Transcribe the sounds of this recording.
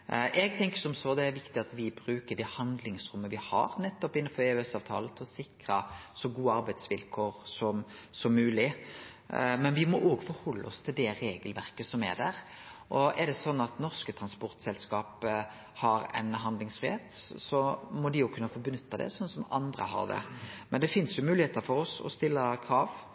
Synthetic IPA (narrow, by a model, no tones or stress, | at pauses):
ʔɛɡt̪ʰɛŋkəsɔmsɔd̪ɛæɾʋɪkt̪ɪɑt̪ʋɪbɾʉːkəɖ̪ɛhɑnd̪lɪŋsɾʊmːəʋɪhɑ̰ːɾnɛt̪ːɔpɪnːəfɔɾeːɛsɑːʋt̪ʰɑːlət̪ʰɪlɔsɪkɾɑsɔɡuːəɑɾbæɪd̪sʋɪlkʰoːɾsɔmsɔmːʉːlɪ | mɛnʋɪmɔʔoːɡfɔɾhɔlːə̰ɔst̪ʰɪld̪ɛɾeːɡəlʋæʁkəsɔmæ̰d̪æ̰ɾ | ʔɔɛd̪ɛsɔnːɑt̪nɔʁskət̪ʰɾɑnspɔɾt̪sɛlskɑːpə | hɑɾɛ̰ɪnɦɑnd̪lɪŋsfʁɪheːt̪sɔmɔd̪ɪjʊkʰʉnːəfɔbənʉt̪ːɑd̪ɛ̰sɔnːsɔmɑ̰nd̪ɾə̰ɦɑ̰ʁd̪ɛ̰mɛnd̪ɛfɪnsjʊmʉːlɪheːt̪əfɔɾɔsɔ̰st̪ɪlːəkʰɾɑːʋ